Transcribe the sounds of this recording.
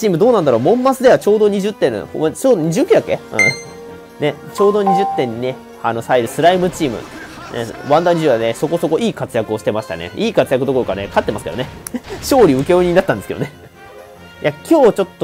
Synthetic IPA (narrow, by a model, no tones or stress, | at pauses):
t͡ɕiːmɯ̟d̪o̞ːnãnd̪aɾo̞ːmõ̞mːat͡sɨd̪e̞βat͡ɕo̞ːd̪o̞ɲ̟iʑɨt̪ːẽ̞ht͡ɕoːd̪oɲ̟iʑɨːkʲiɨ̟jakːe̞ɯ̰̃ː | ne̞t͡ɕo̞ːd̪o̞ɲ̟iʑɨt̪ːẽ̞ɲ̟ːine̞ | ano̞saiɾɯ̟sɨɾaimɯ̟t͡ɕiːmɯ̰ | nḛβãnd̪aɲʲiʑɯdaneso̞ko̞so̞ko̞ʔiːkat͡sɨjakɯ̟o̞ɕi̥t̪e̞maɕi̥t̪a̰nḛiːkat͡sɨjakɯ̟d̪o̞ko̞ɾo̞kanekat̪ːe̞masɨ̥ked̪oneɕo̞ːɾʲiɯ̟ke̞oɲʲiɲinat̪ːãnd̪sɨkḛone | jʔakʲo̞ːt͡ɕo̞t̪ːo